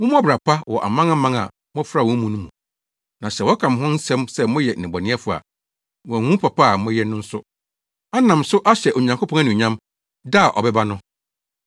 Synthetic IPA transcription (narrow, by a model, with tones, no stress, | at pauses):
mʊ̃˦m˦bɾa˨pʰa˦wɔ˨ʔa̰˨mã˦ŋa˦mã˦ŋa̰˨ | mɔ̃˦fɾa˦˨wɔ̃˦mũ˨nũ˦mũ˨ | nã˨sɛ˨wɔ˦kʰã˨m˨ɦɔ̃˦n˦sɛ̃˦msɛ˦mʊ̃˦jɛ˨ɪ̃˨bɔ˨nɪ̃˦ɛ˦fʊ˨a̰˨ | wɔ̃˨ŋũ˦pʰa˨pʰa˦˨mʊ̃˦jɛ˦nʊ̃˦n̩˦sʊ˦ | a˦nã˨msʊ˦ʔa˦ɕɛ˨ʔo˨ɲã˨ŋkʰo˦pʰɔ̃˦a˦nʊ̃˨ɲã˦m | da˦a˨ʔɔ̰˨bɛ˦ba˦nʊ̃˦